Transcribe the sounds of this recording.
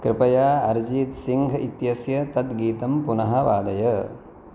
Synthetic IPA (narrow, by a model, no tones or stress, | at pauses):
kɾɪpɐjaːɐɾd͡ʒiːt̪siŋɡʱɐit̪jɐsjɐt̪ɐt̪ɡiːt̪ɐmpunɐɦɐʋaːd̪ɐjɐ